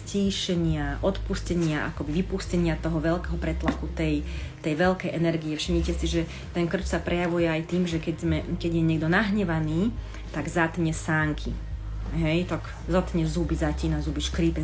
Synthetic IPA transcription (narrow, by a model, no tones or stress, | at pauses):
ciːʃɛɲɪaʔɔt̪puscɛɲɪaʔa̰kɔbiʋipuscɛɲɪat̪ɔɦɔʋɛlkɛɦɔpɾɛt̪lakut̪ɛjt̪ɛjʋɛlkɛjʔɛnɛɾɡijɛfʃimɲicɛsiʒɛ | t̪ɛnkr̩t͡ʃsapɾɛjaʋujɛajt̪iːmʒɛkɛɟzmɛkɛɟjɛɲɪɛɡd̪ɔnaɦɲɛʋaniː | t̪aɡzat̪ɲɛsaːŋkʰi | ɦɛjt̪ak | zat̪ɲɛzubizaciːnazubiʃkɾipɛ